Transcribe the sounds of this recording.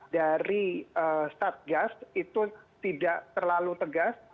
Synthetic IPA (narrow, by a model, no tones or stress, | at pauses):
daɾiəst̪at̪̚ɡast̪it̪ut̪idaʔt̪ərlalut̪əɡas